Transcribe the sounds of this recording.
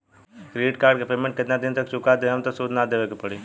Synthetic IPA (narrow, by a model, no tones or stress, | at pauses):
kɾiːʈkaːɾɖkepeːmẽɳʈ̚kɪt̪nad̪ɪnt̪ɐk̚t͡ʃʊkad̪eɦɐmt̪osuːd̪nad̪eːʋekepɐɽi